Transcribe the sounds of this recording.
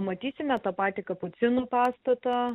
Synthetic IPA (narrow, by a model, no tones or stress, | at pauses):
mɐt̪ʲiːsʲɪmʲɛt̪ɑːpɑːt̪ʲɪkɐpʊt̪sʲɪnuːpɑːst̪ɐt̪ɑ